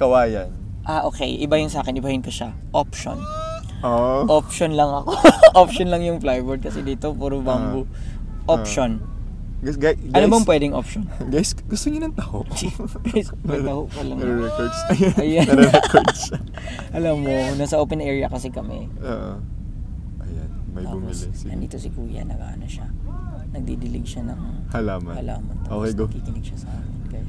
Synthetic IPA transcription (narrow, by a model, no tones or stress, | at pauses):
kɐwaːjɐn | ʔaʔo̞ːkɛ̰jʔɪbajʊŋsaːkɛnʔɪbahɪnkɐʃa | ʔopʃo̰n | oʔopʃonlɐŋɐkoʔopʃonlɐŋjʊŋflajboɹd̪̚kɐsɛd̪iːt̪o̞puɾobambʊ | ʔopʃon | ɡɡajɡɐnobɐmpwɛːd̪ɪŋʔopʃonɡajsɡʊst̪oɲʊnɐŋt̪ɐhoʔɡajs | ɐhoʔkɐlɐŋɾɾɛkoɹd̪sɐjajaɛkʰoɹd̪s | ʔɐlɐmːonasɐʔoːpɛnʔɛɹɪɐkɐsɛkɐmɛ̰ | ʔoʔo | ʔɐjanmɐj̪abʊmilɪ | ɐ̰nd̪ḭːt̪osɪkuːjɐ̰nɐ̰ɡa̰ːʔɐnɐʃa | nɐɡ̚d̪id̪ɪlɪɡʃanɐŋ | hɐlaːmɐ̰ɐla̰ːmɐnt̪aʔokejɡkikɪnɪɡ̚ʃɐsɐʔaːmɪnɡaj